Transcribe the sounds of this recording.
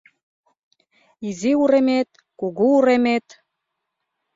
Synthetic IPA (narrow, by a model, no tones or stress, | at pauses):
iziuɾemet̪̚ | kuɣuuɾemet̪